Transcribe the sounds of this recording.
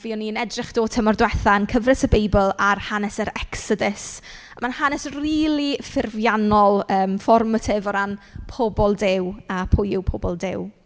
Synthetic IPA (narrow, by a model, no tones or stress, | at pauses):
viːɔniənɛdrɪχd̥oːtʰəmɔrdwɛθaənkʰəvrɪsəbejbəlˠarhanɛsəɾɛksɔdɪs | manhanɛsriːlˠifɪrvjanɔlˠəːmfɔrmətʰɪvɔɾanpʰɔbɔlˠdɪwapʰʊjɪwpʰɔbɔlˠdɪw